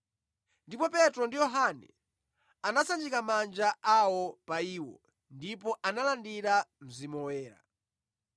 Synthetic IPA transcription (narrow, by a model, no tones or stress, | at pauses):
ndipɔpɛtɾɔndijɔɦanɛ̰ | anasand͡ʒikamand͡ʒaʔawɔpaiːwɔ | ndipɔʔanalandiɾam̩zimɔwɛːɾa̰